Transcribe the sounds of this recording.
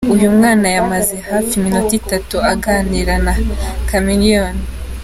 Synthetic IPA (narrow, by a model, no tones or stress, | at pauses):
ujumŋaːnajamazehaːfiminotitatuaɡaːniɾanakamilion